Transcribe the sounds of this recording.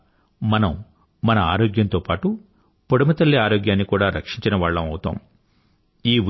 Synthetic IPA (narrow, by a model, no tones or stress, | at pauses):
mɐnɐm | mɐnɐaːɾoːɡjɐnt̪oːpaːʈu | poɽɐmɐt̪ɐlːiaːɾoːɡjaːnːikuːɽaːɾɐkʂiɲt͡ʃinɐʋaːɭːɐmɐwut̪a̰ːm | iːu